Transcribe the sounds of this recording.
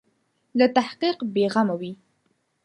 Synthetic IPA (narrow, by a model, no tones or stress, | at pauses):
lat̪ahqiqbeɣamawi